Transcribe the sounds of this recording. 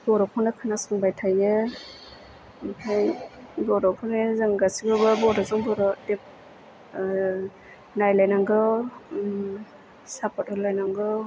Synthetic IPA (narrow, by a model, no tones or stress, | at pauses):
b̥ɔɾɔkʰɔnɯkʰanasɯŋbajtʰajɯ | pʰajbɔɾɔkʰɔnezɯŋɡasibɯbɯbɔɾɔzɔŋbɔɾɔdip̚ | najlajnaŋɡɯ | sapʰɔt̚ɔlajnaŋɡɯ